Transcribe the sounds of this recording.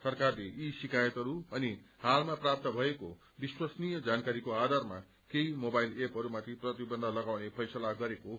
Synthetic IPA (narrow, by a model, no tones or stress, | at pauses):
sʌrkarleʔisikʰajʌt̪ɦʌɾuʌnihalmaprap̚t̪ʌbʱʌeko | biswʌsnijʌd͡zankaɾikoad̪ʱarma̰ | keimobajlepɦʌɾumat̪ʰiprʌt̪ibʌnd̪ʱalʌɡawnepʰʌjsʌlaɡʌɾeko